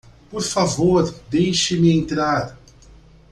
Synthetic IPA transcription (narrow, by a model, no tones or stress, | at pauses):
poɾfavoɾd̪ejʃɪmɪẽnt̪ɾaɾ